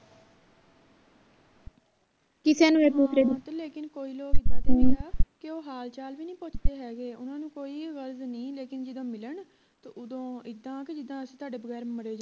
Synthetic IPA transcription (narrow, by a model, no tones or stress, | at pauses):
kɪseːnũːeːboːkɾeːd̪t̪leːkɪnkoːiːloːkɪd̪ãːt̪ːaːkɪoːɦaːlt͡ʃaːlʋiːnĩːpʊt͡ʃd̪eːɦɛːɡeːʊnãːnũːkoːiːɣəlznĩːleːkɪnd͡ʒɪd̪õːmɪləɳ | t̪oːʔʊd̪õːɪd̪ːãːked͡ʒɪd̪ːãːəsĩːt̪ʊaːɖeːbəɣɛːɾməɽeːd͡ʒa